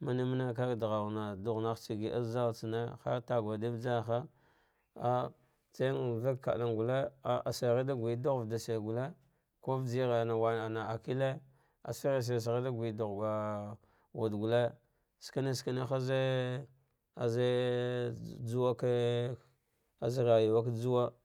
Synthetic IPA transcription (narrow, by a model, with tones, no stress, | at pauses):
ma˦ni˦m˦na˦k̬a˦ɡdɣa˨wna˨du˦ɣna˦xt͡ʃi˨ɡi˨ʔa̰˦za˦wt͡si˨ne˦xa̰˦ta˨ɡʷa˨di˦vd͡ʒa˦˨xa˦ | a˦ | t͡sa˦ŋ˨va˦kka̰˨la˨ŋɡu˨le˦a˨a˨se˨ɣi˦da˦ɡʷi˨˦du˦ɣu˨vda˨se˨ɡu˨le˦ | ko˦vd͡ʒi˦ɣe˨na˨wa˨a˨na˨a˨ki˦le˦ | a̰˨si˦ɣe˨s̬e˨s̬a˨ɣi˦da˦ɡʷi˨du˨ɣɡa˨ | wa˨dɡu˨le˦ | ska˦ne˦ska˦ne˦xa˦ze˦ | a˨ze˦ | d͡zu˦wa˦ka˦ | a̰˦˨zi˦ɣa˨ji˨wa˦ka˦d͡zu˦wa˦